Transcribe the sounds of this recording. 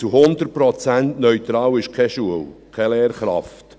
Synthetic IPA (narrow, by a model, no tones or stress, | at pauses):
t͡suhʊnd̪ərpɾɔt͡sæntnœʏt̪ɾɑːwɪʃkʰɛʃuəwkʰɛlɛːrχɾɑ̰ft